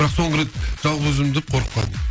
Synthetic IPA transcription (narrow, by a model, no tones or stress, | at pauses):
ɪɾɑqso̞ɴʁəɾet̪ʒ̥ɑlˠʁɵzɪmd̪ep̚qʰoɾqə̥qp̚ʰɑ̰lˠd̪ə